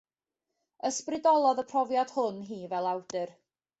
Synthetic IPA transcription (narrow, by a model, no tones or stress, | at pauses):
əsprɪdɔlˠɔðəpʰrɔvjad̥hʊnɦiːvɛlˠawd̥ɨr